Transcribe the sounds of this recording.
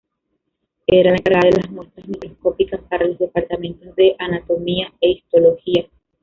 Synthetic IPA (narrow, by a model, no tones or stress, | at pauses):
e̞ɾalaeaɾaðelazmwe̞st̪ɾazmikɾo̞sko̞pikaspaɾalo̞zðe̞paɾt̪amẽ̞nt̪o̞zðe̞ʔanat̪o̞miae̞ist̪o̞lo̞hia